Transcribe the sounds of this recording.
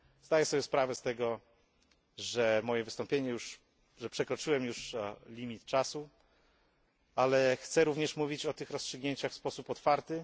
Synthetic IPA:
z̥d̪ajɛsɔbʲjɛspɾavɛst̪ɛɡɔ | ʐɛmɔjɛvɘst̪ɔmpʲjeɲɛjuʂ | ʐɛpʂɛkɾɔt͡ʂɘwɛmjuʂlʲimʲit̪t͡ʂasu | alɛxt̪sɛɾuvɲɛʂmuvʲit͡ɕɔt̪ɘxɾɔstʂɘɡɲeɲt͡ɕaxfspɔsupɔt̪faɾt̪ɘ

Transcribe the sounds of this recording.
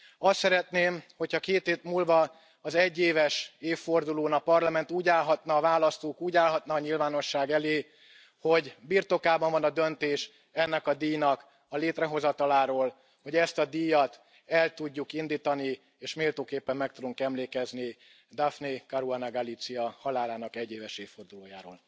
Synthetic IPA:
ɒst̪sɛɾɛt̪neːmho̞chɒkeːt̪eːt̪muːlvɒ | ɒzɛɟːeːvɛʃeːfːo̞rd̪uloːnɒpɒrlɒmɛnt̪uːɟaːlɦɒt̪nɒːvaːlɒst̪oːkuːɟaːlɦɒt̪nɒːɲilvaːno̞ʃːaːɡɛleː | ho̞ɟbirt̪o̞kaːbɒɱvɒnɒd̪ø̞nt̪eːʃ | ɛnːɛkɒd̪iːjnɒk | ɒleːt̪rɛɦo̞zɒt̪ɒlaːɾoːl | ho̞ɟɛst̪ɒd̪ijɒt̪ | ɛlt̪uɟːukind̪iːt̪ɒni | eːʃmeːlt̪oːkeːpːɛmːɛk̚t̪ud̪uŋkɛmleːkɛzni | d̪afnekɒɾuɔnɒɡɒlit̪siɒhɒlaːlaːnɒkɛɟːeːvɛʃeːfːo̞rd̪uloːja̰ːɾoːl

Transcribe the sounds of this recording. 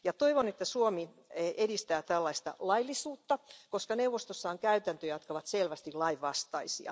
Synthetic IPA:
jɑt̪oiʋonet̪ːæsuomi | edist̪æːt̪ælːɑist̪ɑ̰lɑilːisuːt̪ːɑkoskɑnewʋost̪osːɑoŋkæyt̪ænt̪øjɑt̪kɑʋɑt̪selʋæst̪ilɑiʋʋɑst̪ɑisiɑ̰

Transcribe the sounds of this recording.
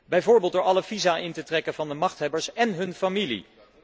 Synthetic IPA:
bɛjvʊːɹbeːlˠtdoːɹɑləvizaːʔɪntətrɛkənvɑndəmɑχtɦɛbəɹsɛnɦɵnfamilḭ

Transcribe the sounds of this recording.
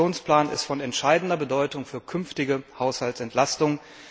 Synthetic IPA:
oːnspl̥aːnɪ̰stfɔnɛntʃaɪdn̩dɐbədɔʏtʊŋfyːɐkʰʏnftɪɡəhaʊshaltsɛntʰlastʊŋ

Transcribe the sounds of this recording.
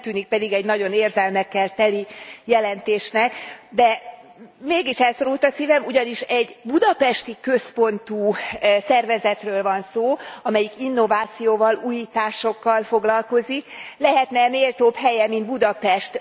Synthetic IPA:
t̪yːnik̚pɛd̪iɡɛɟnɒɟo̞neːrzɛlmɛkːɛlt̪ɛlijɛlɛnt̪eːʃnɛkd̪ɛ | meːɡiʃɛlso̞ɾult̪ɒsiːvɛmuɟɒniʃɛɟbud̪ɒpɛʃt̪ikø̞spo̞nt̪uːsɛrvɛzɛt̪røːlvɒnsoːɒmɛjikinːo̞vaːt̪sijoːvɒluːjiːt̪aːʃo̞kːɒlfo̞ɡlɒlko̞ziklɛɦɛt̪nɛmeːlt̪oːpɦɛjɛmind̪̚bud̪ɒpɛʃt̪

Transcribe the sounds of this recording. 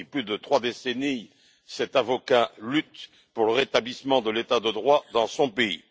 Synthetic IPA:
iplyd̪ət̪χwad̪eseni | sɛt̪avɔkalyt̪ | puʁləʁet̪ablismɑ̃d̪əlet̪ad̪əd̪ʁwad̪ɑ̃sɔ̃pei

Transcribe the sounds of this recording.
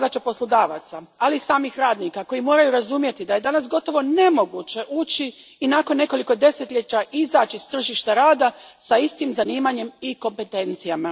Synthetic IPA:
d̪at͡ʃapo̞slˠod̪aːʋa̰t̪saalisaːmixɾaːd̪nikako̞jimo̞ːɾajuɾazumje̞t̪id̪aje̞d̪anasɡo̞t̪o̞ʋo̞ne̞mo̞ɡut͡ɕe̞ʔuːt͡ɕiː | nakonːe̞ko̞liko̞d̪e̞se̞t̪ʎe̞t͡ɕaʔizaːt͡ʃist̪r̩ʒiʃt̪aɾaːd̪asaist̪imzaniːmaɲe̞miko̞mpe̞t̪e̞nt̪sijama

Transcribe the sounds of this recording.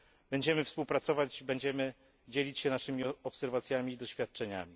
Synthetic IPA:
bɛɲd͡ʑɛmɘfspuwpɾat̪sɔvad͡ʑbɛɲd͡ʑɛmɘ | d͡ʑɛlʲit͡ɕɕɛnaʂɘmʲiɔpsɛɾvat̪sʲjamʲiːd̪ɔɕfʲjat̪̚t͡ʂɛɲa̰mʲi

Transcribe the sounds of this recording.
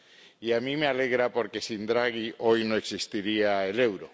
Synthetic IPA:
iamĩmealeɣɾapoɾkesind̪ɾaɣiʔojnõeksist̪iɾiaelewɾo

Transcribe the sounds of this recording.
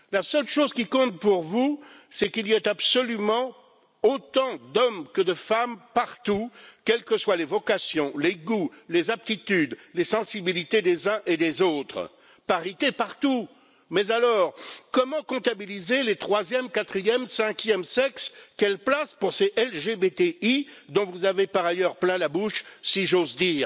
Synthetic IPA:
lasœlʃozkʲikɔ̃t̪̚puʁvusɛkiliɛt̪absɔlymɑ̃ | ot̪ɑ̃d̪ɔmkəd̪əfampaʁt̪ukʲɛlkəswalevɔkasjɔ̃leɡulezap̚t̪it̪yd̪lesɑ̃sibilit̪ed̪ezɛ̃ʔed̪ezot̪χ | paʁit̪epaʁt̪u | mɛzalɔːʁkɔmɑ̃kɔ̃t̪abilizelet̪χwazjɛmkat̪χijɛmsɛ̃kʲjɛmsɛkskʲɛlplaspuʁseʔɛlʒebet̪eid̪ɔ̃vuzavepaʁajœʁplɛ̃labuʃsiʒozd̪iːʁ

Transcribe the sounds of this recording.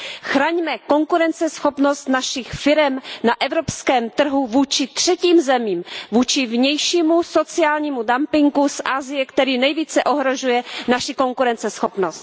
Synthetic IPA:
xɾaːɲmɛko̞ŋkuɾɛnt͡sɛsxopno̞st̪naʃɪxfɪɾɛmnaʔɛvɾopskɛːmt̪r̩ɦuvuːt͡ʃɪt̪r̝̥ɛciːmzɛmiːmvuːt͡ʃɪvɲɛjʃiːmuso̞t͡sɪaːlɲiːmudampɪŋɡusʔaːzɪjɛkt̪ɛɾiːnɛjviːt͡sɛʔo̞ɦɾo̞ʒujɛnaʃɪko̞ŋkuɾɛnt͡sɛsxopnost̪̚

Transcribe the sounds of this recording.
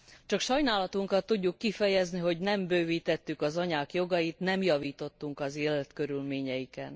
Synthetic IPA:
t͡ʃɒkʃɒjnaːlɒt̪uŋkɒt̪ːuɟːukːifɛjɛzniɦo̞ɟnɛmbøːviːt̪ɛt̪ːykɒzɒɲaːkjo̞ɡɒjit̪nɛmjɒviːt̪o̞t̪ːuŋkɒzeːlɛt̪kø̞ɾylmeːɲɛjikɛn

